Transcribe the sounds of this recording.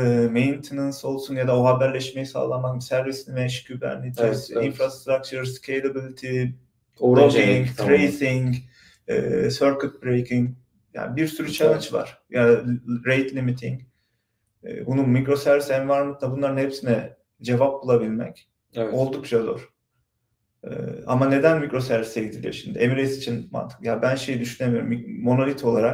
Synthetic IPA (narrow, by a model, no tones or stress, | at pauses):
mejnt̪ʰinanso̞lˠsunjad̪aoɦabæɾlʲɛʃme̞jisa̰ːlˠamak̚sæɾvisʲimɛʃcʰybæ̰nnit̪ʰizinfɾast̪ɾak̚t͡ʃʰuɾscʰejlˠabilʲˠit̪ʰi | od͡ʒiŋt̪ʰɾejsiŋ | ɯ̰ːsøɾkyt̪̚bɾejkʰiŋ | ja̰ːnbiɾsyɾyt͡ʃʰanat͡ʃva̰ɾ̥jaɾejt̪ʰlʲimit̪ʰiŋc | ɛ̰ːbunumikɾo̞sæɾvisɛnvaɾmɯnabunlˠaɾɯnhe̞psinɛ | d͡ʒe̞vap̚bulˠabilʲmɛ̰c | olˠd̪uk̚t͡ʃʰalˠo̰ɾ̥ | ɯ̰ːamane̞d̪ænmikɾo̞sæɾviseɟid̪ʰilʲḭʃimd̪ɪemiɾejsi̥t͡ʃʰinma̰nt̪ʰɯ̥kjabænʃe̞jid̪yʃynʲe̞mijo̞ɾumːo̞nolʲit̪ʰo̞lˠaɾak